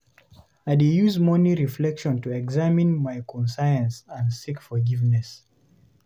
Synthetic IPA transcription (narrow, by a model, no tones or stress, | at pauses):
aɪdijuzmɔniɹiflɛkʃɔ̃ntuɛɡzamĩnmaɪkʰɔ̃nsaɪə̃nsə̃ndsikfɔ˞ɡivnɛs